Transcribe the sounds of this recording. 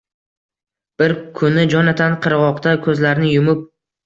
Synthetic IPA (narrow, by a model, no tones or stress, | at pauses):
b̥ɪɾkʰʊnɪd͡ʒɒnat̪ʰanqʰɨɾʁɒqt̪akʲʰɵzlaɾnɪjʊmʊp̚